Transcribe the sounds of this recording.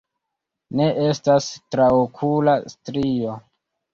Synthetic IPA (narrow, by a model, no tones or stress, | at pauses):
ne̞ʔe̞stastɾaokʰulastɾio̞